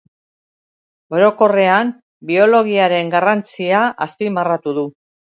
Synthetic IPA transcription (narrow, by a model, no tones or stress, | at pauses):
o̞ɾo̞ko̞re̞am | bio̞lo̞ɣ̞iaɾe̞ŋɡarant͡siaʔaspimarat̪uðu